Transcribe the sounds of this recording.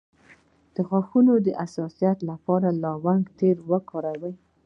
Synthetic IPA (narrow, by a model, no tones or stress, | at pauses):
d̪̥əxwaxunod̪əʔasɑsijat̪lapɑɾalɑwaŋɡt̪eɾwəkʰɑɾawəj